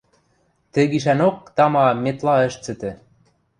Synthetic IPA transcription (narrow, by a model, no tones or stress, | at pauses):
t̪ɘ̆ɡiʃ̬ænok̚t̪ɑmɑmet̪lɑə̆ʃt͡sɘ̆t̪ɘ̆